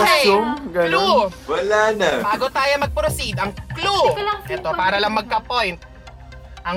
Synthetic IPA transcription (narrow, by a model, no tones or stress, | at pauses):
ɡɐuwɐlaːnɐbaːɡot̪aːjomɐɡ̚pɾosid̪ʔɐŋkluʔɛt̪opaːɾɐlɐŋmɐɡ̚kɐpojnt̪̚ | ʔɐŋ